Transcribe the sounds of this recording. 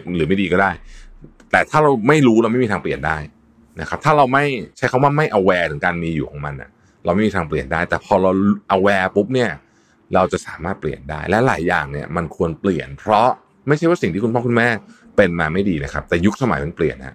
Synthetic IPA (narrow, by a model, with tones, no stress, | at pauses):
ɾɯː˨˩˦ma˥˩diː˧kɔː˥˩daː˥˩j | t̪ɛː˨˩t̪ʰaː˥˩ɾa˧wma˥˩jɾuː˦˥ɾa˧wma˥˩i˧aː˧ŋpli˨˩əndaː˥˩j | na˦˥kʰa˦˥t̪ʰaː˥˩ɾa˧wma˥˩jt͡ɕʰa˦˥kʰa˧˥mwaː˥˩ma˥˩jʔa˧wɛː˧t̪ʰɯ˩˦ŋkaː˧nmiː˧juː˨˩kʰɔː˩˦ŋma˧nʔa̰˨˩ | ɾa˧wma˥˩jmiː˧t̪ʰːŋp̬li˨˩əndaː˥˩jt̪ɛː˨˩pʰɔː˧ɾa˧wlʔa˧wɛː˧pu˦˥p̚ni˥˩ɐ | ɾa˧wt͡ɕa˨˩ʔsaː˩˦maː˥˩t̪̚pli˨˩ənda̰ː˥˩jlɛ˦˥la̰ː˨˩˦jːa̰ː˨˩ŋni˥˩ɐma˧nkʰu˧ənpli˨˩ənpʰɾɔ˦˥ | ma˥˩jʰt͡ɕʰwaː˥˩si˨˩ŋt̪ʰiː˥˩ku˧npʰɔː˥˩ku˧nmɛː˥˩ | pe˧nmaː˧ma˥˩jdiː˧na˦˥kʰa˦˥p̚t̪ɛː˨˩ju˦˥k̚sa˧ma̰˨˦jma˧npli˨˩ənha̰˧˥